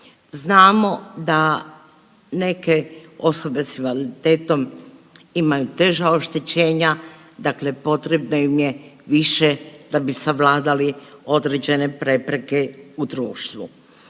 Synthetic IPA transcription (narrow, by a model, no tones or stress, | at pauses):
znaːmo̞d̪a | ne̞ke̞o̞so̞be̞simalit̪eːt̪o̞m | imajut̪e̞ʒao̞ʃt̪et͡ɕe̞ːɲa | d̪akle̞po̞t̪ɾe̞bnoimjeʋiʃed̪̥abisaʋlaːd̪alio̞d̪ɾed͡ʑe̞ne̞pɾe̞pɾe̞ke̞ud̪ɾuːʃt̪ʋṵ